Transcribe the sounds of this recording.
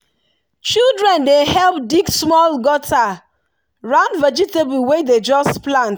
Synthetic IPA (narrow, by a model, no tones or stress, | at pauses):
t͡ʃildɹɛ̃ndehɛlp̚diɡsmɔlɡɔta | ɹãnvɛd͡ʒitebl̩weded͡ʒɔsplãnt